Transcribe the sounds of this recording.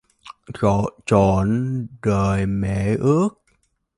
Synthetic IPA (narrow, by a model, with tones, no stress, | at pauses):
t͡ɕɔ˧˨t͡ɕɔ˧˨˩nɗəː˨˩jmḛ˧˨ʔɨ˦˥ək̚